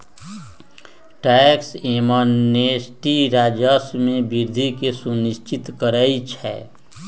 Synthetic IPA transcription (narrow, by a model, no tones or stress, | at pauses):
ʈɛksemanesʈiɾaːd͡ʒəsmẽbiɾd̪ʱikesuniʃt͡ʃit̪kəɾəit͡ʃʰɛ̰